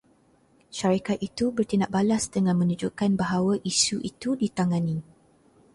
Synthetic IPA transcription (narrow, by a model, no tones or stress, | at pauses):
ʃaɾikat̪̚it̪ubərt̪inaʔ̚balasdəŋãnmə̃nud͡ʒukanbaɦawaʔisuʔit̪udit̪aŋãnĩ